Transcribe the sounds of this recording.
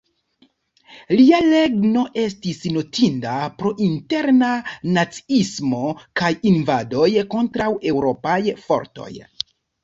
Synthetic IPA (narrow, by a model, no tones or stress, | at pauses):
liale̞ɡno̞ʔe̞stisno̞tindapɾo̞ʔinte̞ɾnanat͡si̥ismo̞kajinvado̞jko̞ntɾawe̞wɾo̞pajfo̰ɾto̞̰j